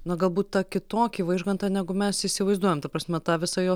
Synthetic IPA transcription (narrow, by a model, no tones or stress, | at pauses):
nɐɡɐlˠbuːt̪t̪ɑkʲɪt̪oːkʲiːʋɐɪʒɡɐnt̪ɑnʲæːɡʊmʲɛsɪsʲɪʋɐɪzd̪uɔjɛmt̪ɐpɾɑːsʲmʲɛt̪ɑːʋʲɪsɑjoː